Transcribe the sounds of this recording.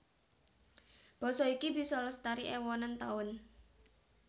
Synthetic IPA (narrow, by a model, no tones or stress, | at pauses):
b̥ɔ̤sɔikibi̤sɔləst̪aɾiʔɛwɔnant̪aʊn